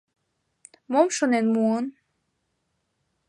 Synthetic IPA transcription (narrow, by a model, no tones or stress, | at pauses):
momʃonenmuən